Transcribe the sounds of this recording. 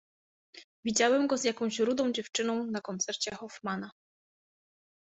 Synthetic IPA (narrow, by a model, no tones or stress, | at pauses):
vʲid͡ʑawɛmɡɔzjakɔ̃w̃ɕɾud̪ɔ̃w̃d͡ʑɛft͡ʂɘnɔ̃w̃nakɔnt̪sɛɾt͡ɕɛxɔfmana